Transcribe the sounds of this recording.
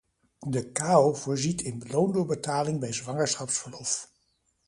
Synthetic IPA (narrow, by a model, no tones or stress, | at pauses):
dəkaːov̥ʊːɹzitʰɪnbəlowndʊːɹbətaːlɪŋbɛjzʋɑŋəɹsχɑpsfəɹlɔf